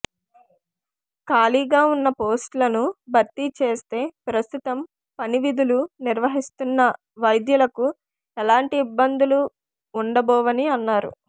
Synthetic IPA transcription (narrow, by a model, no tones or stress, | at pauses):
kaːliːɡaːunːɐpoːsʈlɐnubʱɐɾt̪ːit͡ʃe̞ːst̪e̞ːpɾɐst̪ut̪ɐm | pɐniʋid̪uluniɾʋɐɦist̪unːɐ | ʋɐjd̪jɐlɐku | ɛlaːɳʈiːbːɐnd̪uluː | ɳɖɐbɔːʋɐniɐnːaːɾṵ